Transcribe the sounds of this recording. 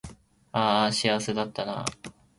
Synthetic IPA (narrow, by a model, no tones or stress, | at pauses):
aːɕiased̪at̪ːana̰